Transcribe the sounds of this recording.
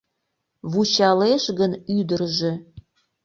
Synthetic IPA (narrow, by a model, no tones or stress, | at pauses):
βut͡ɕɑleʃɣə̆nyd̪ə̆rʒĕ